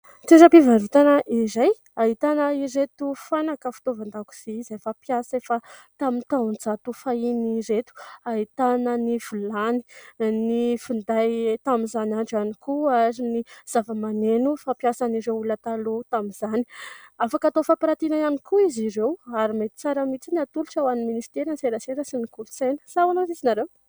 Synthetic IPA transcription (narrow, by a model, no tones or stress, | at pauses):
t̪eɾəpivaɾut̪anəʔiɾaj | aɦit̪anəiɾet̪ufanakəfu̥t̪ovand̪aku̥z̥iizafapjasefat̪amint̪ant͡sat̪ufainiɾet̪u̥aɦit̪anəniv̥ulani̥nifund̪ajt̪aminzanaɳɖ͡ʐanikuaɾiniz̥avamanenufapjasaniɾewulat̪alut̪amizani̥afakat̪ofapaɾat̪inaanikuiziɾewaɾimet̪i̥t͡saɾəmit͡siniat̪uluʈ͡ʂawaniminisi̥t̪eɾanseɾəseɾəsinikulusenə̥sawanozizinaɾew